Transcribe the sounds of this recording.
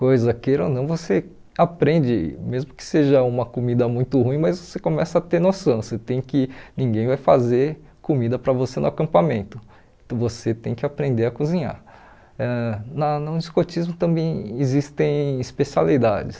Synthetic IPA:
kojzɐkeɾonɐ̃w̃vose | apɾẽnd͡ʒɪmezmʊkɪ̥seʒɐũmɐkomid̪ɐmũj̃t̪ʊhũj̃mɐzvosekõmɛsɐːt̪eɾnosɐ̃w̃set̪ẽj̃kɪnĩɡẽj̃vajfazeɾ | komid̪ɐpɾɐvosenʊakɐ̃mpamẽnt̪ʊ̃ | voset̪ẽj̃kɪapɾẽnd̪eɾɐkuzĩɲa̰ɾ | ɛnɐnʊd͡ʒiskot͡ʃizmʊt̪ɐ̃mbẽj̃ɪzist̪ẽj̃ispesialid̪a̰d͡ʒɪs

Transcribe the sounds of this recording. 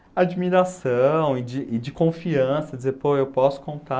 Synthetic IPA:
ad͡ʒimiɾasɐ̃w̃ɪd͡ʒɪʔɪd͡ʒɪkõfiɐ̃sɐd͡ʒɪzeɾpoewwpɔsʊ̥kõnt̪a

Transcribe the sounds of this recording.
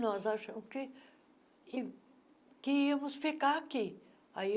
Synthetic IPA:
nɔzaʃɐ̃mʊskɪ | i | kɪiɐmʊsfikaaki | ai

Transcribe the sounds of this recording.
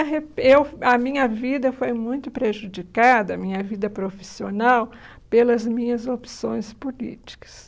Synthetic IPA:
ɐɦeewɐmĩɲɐvid̪ɐfojmũj̃t̪ʊpɾeʒud͡ʒikad̪ɐːmĩɲɐvid̪ɐpɾofi̥sionaw | pelɐzmĩɲɐzopi̥sõj̃spolḭt͡ʃi̥kɐ̥s

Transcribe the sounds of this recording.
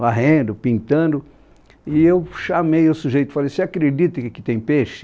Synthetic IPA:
aɦẽnd̪ʊpĩnt̪ɐ̃nd̪ʊ | ɪewʃamejʊsuʒejt̪ʊ̥falejseakɾed͡ʒit̪ɪkɪ̥t̪ẽj̃peʃɪ̥

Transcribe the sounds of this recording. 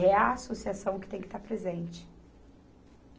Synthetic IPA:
ɛɐasosiasɐ̃w̃kɪt̪ẽj̃kɪ̥st̪aɾpɾezẽnt͡ʃɪ̥

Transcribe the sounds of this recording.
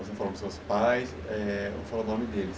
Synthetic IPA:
osefalõd̪ɪsuɐspajs | ɛʊ̰falonõmɪd̪elɪs

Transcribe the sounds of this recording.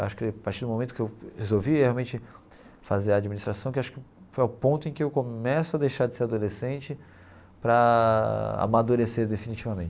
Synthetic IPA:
waʃʊ̥kɪpaɾt͡ʃiɾd̪ʊmõmẽnt̪ʊ̥kɪewhezowviheawmẽnt͡ʃɪ | fazeɾɐːd͡ʒiminist̪ɾasɐ̃w̃kɪaʃʊ̥kɪ | fojʊpõnt̪ʊẽkɪewkõɛsʊɐd̪ejʃaɾd͡ʒɪseɾad̪olesẽnt͡ʃɪ | pɾɐ | a̰mad̪uɾeseɾd̪efinit͡ʃivɐmẽt͡ʃ

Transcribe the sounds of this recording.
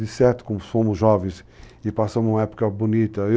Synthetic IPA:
d̪isɛɾt̪ʊ̥kõmʊfõmʊzʒɔvẽj̃s | ɪpasɐ̃mũmɐɛpu̥kɐbunit̪ɐe

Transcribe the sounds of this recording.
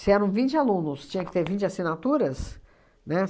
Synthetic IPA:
sɪɛɾɐ̃w̃vĩnt͡ʃɪalũnʊst͡ʃĩɲɐ̃kɪ̥t̪eɾvĩnt͡ʃɪasinat̪uɾɐs | nɛ

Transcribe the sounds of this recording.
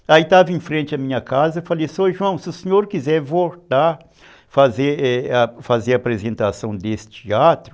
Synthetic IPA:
ait̪avɐẽfɾẽnt͡ʃɪɐmĩɲɐkazɐfalejsoʒuɐ̃w̃sɪʊseɲoɾkizɛɾvolt̪aɾ | fazeɾɛɐfazeɾɐapɾezẽnt̪asɐ̃w̃d̪esɪ̥t͡ʃiat̪ɾʊ

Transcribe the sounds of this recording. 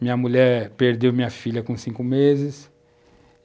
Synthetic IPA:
mĩɲɐmuʎɛɾpeɾd̪ewmĩɲɐfiʎʲɐkõsĩŋkʊmezɪs

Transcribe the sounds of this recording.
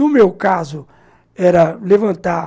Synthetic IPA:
ʊmewkazʊ | ɛɾɐlevɐ̃nt̪a

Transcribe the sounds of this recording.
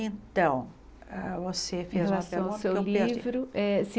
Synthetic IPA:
ẽt̪ɐ̃w̃ | ɛvosefezel̃apasɛɐ̃w̃ɐ̃sewliivɾʊʔɛsĩ

